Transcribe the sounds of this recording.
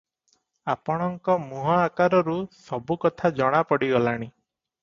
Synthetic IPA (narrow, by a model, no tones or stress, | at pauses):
apɔɽ̃ɔŋkɔmuɦɔakaɾɔɾusɔbukɔt̪ʰad͡ʒɔɽ̃apɔɽiɡɔlaɽ̃i